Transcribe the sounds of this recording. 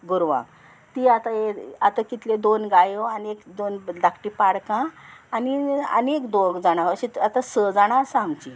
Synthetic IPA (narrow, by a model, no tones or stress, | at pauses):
ɡuɾʋã̰ | t̪iat̪aeat̪akit̪led̪onɡajoaniekd̪onlakʈipaɽkãːniə̰nekd̪oɡd͡zaɽ̃aʋəɕit̪at̪ãsəd͡zaɽ̃asaamt͡ɕi